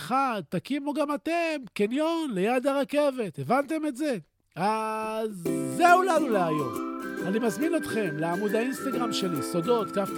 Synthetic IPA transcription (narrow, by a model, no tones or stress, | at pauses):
χad̪̚t̪akimoɡamat̪e̞mkenjo̞nle̞jad̪aʁake̞ve̞t̪evant̪e̞metze̞ | azːeulaluleajo̞̰malnimazmino̞t̪χe̞mleamud̪ainst̪aɡʁamʃe̞liso̞d̪o̞t̪kaf